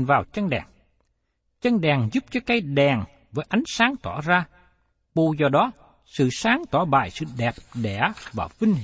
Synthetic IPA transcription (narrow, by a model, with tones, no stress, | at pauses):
nvaː˨˩wt͡ɕə˧nɗɛː˨˩ŋ | t͡ɕə˧nɗɛ˨˩ŋzu˦˥p̚t͡ɕɔ˨˦jkaː˨˦jɗɛ˨˩ŋ | vəː˨˦jʔa˨˦jŋ̟saː˨˦ŋt̪wɔ˧˩zaː˧ | ku˧˩zɔ˧˩ɗɔ˨˦ | sɨ̰˧˨saː˨˦ŋt̪wa˧˩ɓa̰ː˧˨jsɨ̰˧˨ɗɛ˨˩p̚ɗɛ̰˧˩vaː˨˩vï˧ŋ̟ɦ